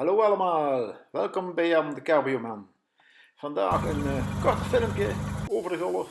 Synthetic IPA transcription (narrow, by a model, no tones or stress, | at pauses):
haloːɑləmaːlˠʋɛlˠkɔmbɛjamdəkarbijoman | fɑnda̰ːxənkɔrtəfɪləmpjəoːvərəɣɔlˠə